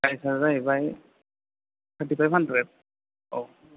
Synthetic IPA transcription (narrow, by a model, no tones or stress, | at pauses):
ajsazaibaj | kʰatipajpʰandɹɛt̚ | ɔ